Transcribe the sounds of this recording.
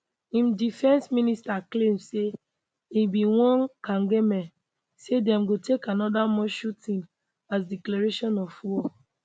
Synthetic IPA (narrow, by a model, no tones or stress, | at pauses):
ĩmdifɛ̃nsministaklemse | ibiwɔ̃nkãŋɡemɛ̃n | sedɛ̃mɡotekanɔdamɔ̃ʃutĩn | asdiklaɹeʃɔ̃nɔfwɔ